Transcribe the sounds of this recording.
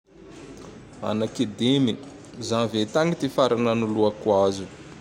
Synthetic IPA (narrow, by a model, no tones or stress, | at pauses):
a̰nakid̪emi | zãnvet̪aŋit̪ifaɾananuluakwazu